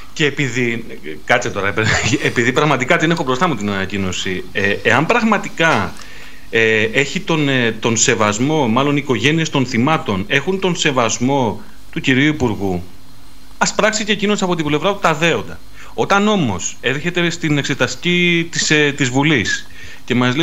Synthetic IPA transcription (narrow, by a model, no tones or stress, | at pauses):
ce̞ːpiði | kɐt͡set̪o̞ɾɐpeepiðipɾɐɣmɐt̪ikɐt̪ine̞xo̞bɾo̞st̪ɐmuot̪inɐnɐcino̞sieeɐmbɾɐɣmɐt̪ikɐ | ee̞çit̪o̞net̪o̞nse̞vɐzmo̞mɐlo̞niːko̞ʝe̞nie̞st̪o̞nθimɐt̪o̞ne̞xunt̪o̞nse̞vɐzmo̞ | t̪uciɾiuipuɾɣu | ɐspɾɐksicecinosiɐpo̞t̪ible̞vɾɐpu̥t̪ɐðe̞o̞nd̪ɐ | o̞t̪ɐno̞mo̞̰se̞ɾçe̞t̪e̞st̪ine̞kse̞t̪ɐst̪i̥cit̪iset̪izvulis | ce̞mɐzli